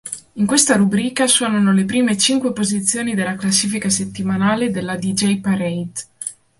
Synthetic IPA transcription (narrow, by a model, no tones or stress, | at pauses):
iŋkwest̪aɾubɾiːkaswɔːnanolepɾiːmet͡ʃiŋkwepozit̪sːjoːnid̪elːaklasːiːfikaset̪ːimanaːled̪elːad̪id͡ʒɛjpaɾejt̪